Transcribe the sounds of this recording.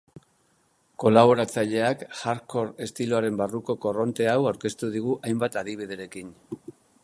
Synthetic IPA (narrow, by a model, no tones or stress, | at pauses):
ko̞laβ̞o̞ɾat͡saʎe̞akxaɾko̞ɾe̞st̪iloaɾe̞mbaruko̞ko̞ro̞nt̪e̞awawɾke̞st̪uð̞iɣ̞uʔajmbat̪aðiβ̞ið̞e̞ɾe̞kin